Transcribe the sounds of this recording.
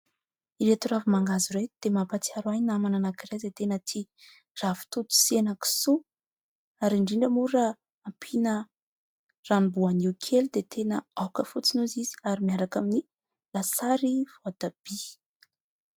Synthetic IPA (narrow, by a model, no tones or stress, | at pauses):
iɾet̪uravimaŋɡaziɾet̪d̪̥emapat͡siaɾajnamananakirezet̪enət̪ʰi | ravu̥t̪ut̪u̥senəki̥su | aɾiɳɖ͡ʐiɳɖ͡ʐəmuɾaː | mpʰinə | ranibuaniwkʰelid̪et̪ʰenəawkəfut͡sinozizi̥aɾimiaɾakamini | lasaɾiv̥oad̪ab̥i